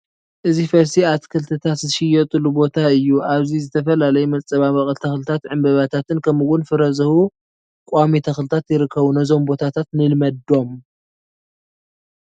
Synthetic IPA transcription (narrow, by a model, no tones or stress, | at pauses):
ʔɨzifɐɾsiat̪kʰɨlt̪ʰɨt̪ʰat̪zɨʃɪjɛt̪ʼɨlubo̞t̪ʰaɨjːuʔaβzizɨt̪ʰɐfɐlalɐjumɐt͡sʼɐβamɐχʼɐlt̪ʰɐxlɨt̪ʰat̪ʕɨmbɐβat̪ʰat̪ʰɨnkʰɐmuwʊnfɨɾɐzɐhu | kʼamit̪ʰɐxlɨt̪ʰat̪jɪɾɨkʰːɐβunɐzo̞mbo̞t̪ʰat̪ʰat̪nɨlmɐd̪o̞m